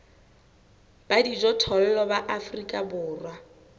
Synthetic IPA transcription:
b̥adid͡ʒɔtʰɔl̩lɔbaʔafrikʼabʊːrwa

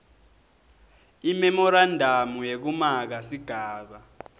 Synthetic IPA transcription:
imɛmɔɾandʱamujek̬umak̬asiɡ̥ʱaːɓa

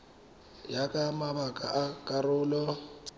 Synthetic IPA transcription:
jakʼamaβakʼaʔakʼarʊːlɔ

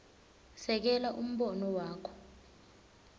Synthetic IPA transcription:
sɛk̬ɛlaʔum̩ɓɔnɔwaːkʰɔ̥

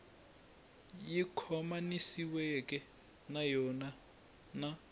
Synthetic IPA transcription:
jikʰɔmanisiwɛkʼɛ | najɔna | na

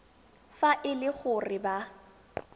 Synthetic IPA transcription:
faʔɪlɪk͡xʊrɪba

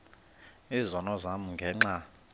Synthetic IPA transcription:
izɔnɔzamuŋɡʱɛŋ͡ǁa

